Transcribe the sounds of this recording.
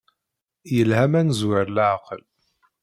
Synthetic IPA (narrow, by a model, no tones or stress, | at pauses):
jəlhæmænzwəɾlʕqəl